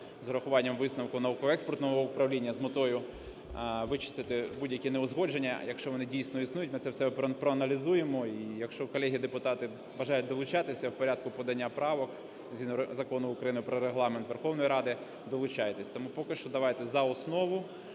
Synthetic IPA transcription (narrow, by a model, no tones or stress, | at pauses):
zɾɐxʊʋɑnʲːɐmʋɪsnɐwkʊnɐʋukɔɦɔɛkspɔrt̪nɔɦɔʊpɾɐwlʲinʲːɐzmɔt̪ɔjʊ | ʋɪt͡ʃɪ̥st̪ɪt̪ɪbudʲjɐkʲineɔzɦɔd͡ʒenʲːɐjɐkʃt͡ʃɔʋɔnɪdʲijsʲnɔisnujʊtʲmɪt̪sɛwsɛpɾɔɐnɐlʲizujemɔijɐkʃt͡ʃɔkɔlʲɛɦʲid̪epʊt̪ɑt̪ɪ | bɐʒɑjʊt̚ʲd̪ɔlˠʊt͡ʃɑt̪ɪsʲɐwpɔɾʲad̪̚kʊpɔd̪ɐnʲːapɾɑʋɔk | zʲinɾzɐkɔnʊʊkɾɐjinʊpɾɔɾeɦlˠɑment̪ʋerxɔwnɔjiɾɑd̪ɪ | d̪ɔlˠʊt͡ʃɑjet̪esʲt̪ɔmupɔkɪʃt͡ʃɔd̪ɐʋɑjt̪ɛzɐɔsnɔʋʊ